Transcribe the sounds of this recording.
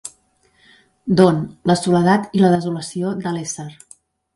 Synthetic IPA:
d̪onləsuləðat̪iləðəzuləsiod̪əlɛsəɾ

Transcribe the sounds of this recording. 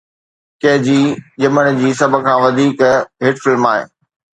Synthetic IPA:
kɐɦɪd͡ʑiːʄɐməɽ̃̆d͡ʑiːsɐbʱʊ̆kʰãːʋɐd̪ʱiːkɦɪʈfɪlmaːɦḛː

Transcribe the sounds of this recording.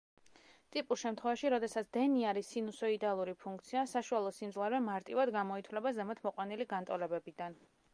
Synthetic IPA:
t̪ʼipʼuɾʃɛmt̪ʰχwɛvaʃiɾɔd̪ɛsat̪sʰd̪̥ɛniaɾisinusɔid̪alˠuɾipʰuŋk̚ʰt̪sʰiasaʃualˠɔsimd̪zlˠaɾvɛmaɾt̪ʼivad̪ɡamɔit̪ʰwlɛbazɛmɛt̪ʰmɔqʼwaniliɡant̪ʼɔlɛbɛbid̪an

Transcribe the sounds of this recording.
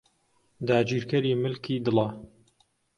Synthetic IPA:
d̪aːd͡ʒiːɾkɐɾiːmɨlkʰiːd̪ɨlˠɐ

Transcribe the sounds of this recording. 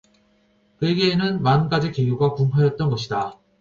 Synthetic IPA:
kɯeɡeːnɯnmanɡ͈ad͡ʑikejuɡakumpʰajʌt̚t͈ʌnɡʌɕʰida

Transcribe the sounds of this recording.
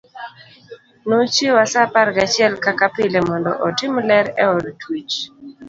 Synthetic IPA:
not͡ʃewasapaɾɡat͡ʃɪɛlkakapɪlɛmɔndɔ̰ʔɔtɪmlɛɾɛɔdtʰwit͡ʃ

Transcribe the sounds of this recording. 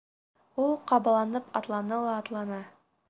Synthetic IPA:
ulˠqɑbɑlˠɑnɤpʰɑt̪lˠɑnɤlˠɑːt̪lˠɑnɑ

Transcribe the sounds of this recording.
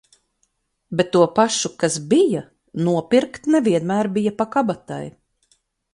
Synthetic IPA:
bet̪ːuɔpaʃukasbija | nuɔpiɾkt̪nɛviɛnmæːɾbijapakabat̪a̰j

